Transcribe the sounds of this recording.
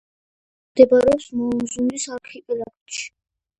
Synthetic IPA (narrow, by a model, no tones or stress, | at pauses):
md̪ɛbaɾɛɔpsmɔumzund̪isaɾkʰikʼilakʰt̪ʃi̥